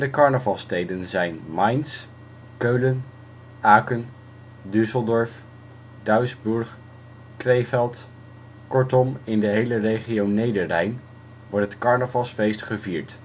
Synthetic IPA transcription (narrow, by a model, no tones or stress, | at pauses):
dəkɑɹnəvɑlˠstejdənzɛjnmɑjns | køɥlən | aːkən | dʏsəlˠdɔɹf | dœɥzbɵɹχ | krejfɛlˠt | kɔɹtɔmɪndəɦejlərejχiownejdəɹlɛjn | ʋɔɹtɦətkɑɹnəvɑlˠsfejstχəviːɹt